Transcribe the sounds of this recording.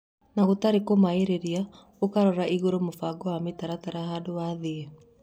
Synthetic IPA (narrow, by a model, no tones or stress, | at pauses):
naɣotaɾekomaeɾeɾia | okaɾɔɾaʔiɣoɾomofaɡɔwametaɾataɾaɦaːdowaðee